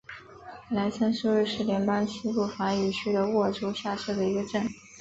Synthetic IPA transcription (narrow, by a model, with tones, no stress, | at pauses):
la˧˥ɪsa˥nʂu˥ɻu˥˧ʂɻ̩˥˩ljɛ˧˥npa˥ŋt͡ɕʰi˥pu˥˩fa˧˥ny˨˩t͡ɕʰy˥d̪ə˧wɔ˥˩ʈ͡ʂu˥ɕja˥˧ʂ̩˥˩d̪ə˩i˧˥ɡə˧ʈ͡ʂə˥˩n